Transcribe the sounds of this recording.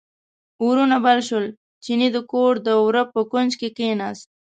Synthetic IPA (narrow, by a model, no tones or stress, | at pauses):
uɾunabalʃʊl | t͡ʃinid̪əkoːʈd̪əwɾəpːəkʊnd͡ʒkekeːnas